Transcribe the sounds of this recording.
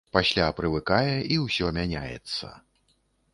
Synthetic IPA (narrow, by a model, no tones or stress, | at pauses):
pasʲlʲapɾɨvɨkajɛiwsʲɔmʲanʲa̰jɛ̰t̪sːɐ̰